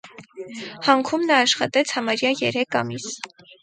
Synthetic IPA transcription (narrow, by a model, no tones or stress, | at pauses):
hɑŋkʰumnɑːʃχɑt̪ɛt͡sʰhɑmɑɾjɑjɛɾɛkʰɑmis